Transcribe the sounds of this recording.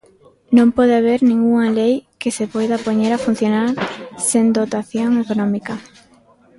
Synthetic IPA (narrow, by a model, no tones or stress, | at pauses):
nõmpɔðeaβ̞eɾnĩŋɡuŋalejkɪsepɔjðapoɲeɾafun̟θjonaɾsend̪ot̪aθjoŋekonɔ̃mika